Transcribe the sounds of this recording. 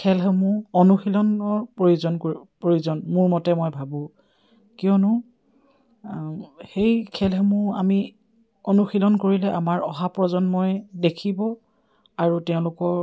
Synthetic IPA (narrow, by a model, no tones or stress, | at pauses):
kʰɛlɦɛmʊɔnuxilɔnɔɹpɹojuzɔnkoipɹojuzɔnmʊɹmɔtɛmojbʱabʊ̃ | kijɔnʊ | xejkʰɛlɦɛmʊa̰mi | onuxilɔnkoɹilɛʔamaɹɔɦapɹɔzɔnmojdekʰibɔ | aɹutɛʊ̃lʊkɔɹ